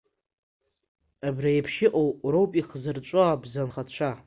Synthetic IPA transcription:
abrajpʰʃɪʔʼowrowpʼiχzɨrt͡ʃʷʼoabzanχat͡ɕʷʰa

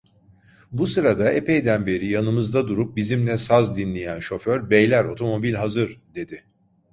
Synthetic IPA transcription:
busɯɾad̪aepʰejd̪ænbe̞ɾijanɯmɯzd̪ad̪uɾup̚bizimlʲɛsazd̪inlʲejænʃo̞føɾbejlʲæɾo̞t̪ʰo̞mo̞bilʲɦazɯɾd̪e̞d̪ɪ

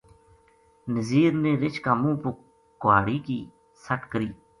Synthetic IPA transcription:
nəziːɾneːɾɪt͡ʃkaːmũːpʊ | kʊwaːɽiːkiː | səʈkəɾiː

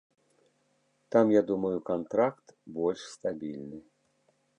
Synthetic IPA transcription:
t̪amjad̪umɐjukant̪ɾakt̪bɔlʲʂst̪abʲilʲnɨ

